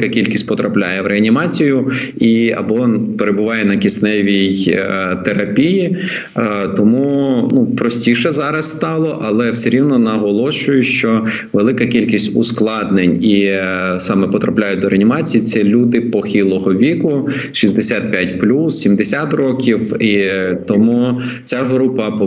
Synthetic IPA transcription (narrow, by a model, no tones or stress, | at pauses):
kɐkʲilʲkʲisʲt̚ʲpɔt̪ɾʔɐplʲa̰jɛwɾʔeɐnʲimɑt͡sʲijʊ | iɐ̰bɔnpeɾebʊʋɑjɛnɐkʲisnɛʋʲijt̪eɾɐpʲiji | t̪ɔmunupɾɔsʲtʲiʃɛzɑɾɐsst̪ɑlˠɔʔɐlˠɛwsʲeɾʲiwnɔnɐɦɔlˠɔʃʊjʊʃt͡ʃɔ | ʋelˠɪkɐkʲilʲkʲisʲtʲʊ̰sklˠɑd̪nenʲisɑmɛpɔt̪ɾɐplʲajʊt̚ʲd̪ɔɾeɐnʲimɑt͡sʲijisɛlʲud̪ɪpɔxʲilˠɔɦɔʋʲikʊ | ʃizd̪esʲat̪̚pʲjatʲplʲussʲimd̪esʲat̪rɔkʲiwit̪ɔmu | t͡sʲaɦɾupɐ